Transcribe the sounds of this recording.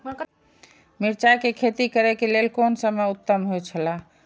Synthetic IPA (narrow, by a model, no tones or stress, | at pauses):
miɾt͡ʃakekʰet̪ikəɾɛkelelkonsəməut̪ːəmɦojt͡ʃʰəla